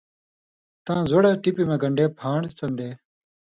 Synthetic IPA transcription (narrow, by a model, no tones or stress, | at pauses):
t̪ãːzoɽeːʈipiːmẽːɡəɳɖeːpʰãːɳt͡s̪ɐnd̪eː